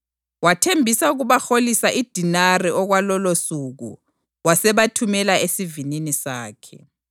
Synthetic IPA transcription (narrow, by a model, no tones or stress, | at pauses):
watʰembʱisauɣuβaxolisaʔid̥ʱinariɔɣwalɔlosuɣṵ | wasɛβatʰumɛlaesivininisaːkʰɛ̰